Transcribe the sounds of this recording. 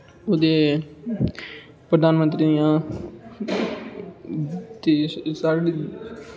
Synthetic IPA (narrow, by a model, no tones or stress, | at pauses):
od̪eː | pɾəd̪aːnmə̃nt̪ɾiːd̪ɪjãː | t̪eːsaːɽiː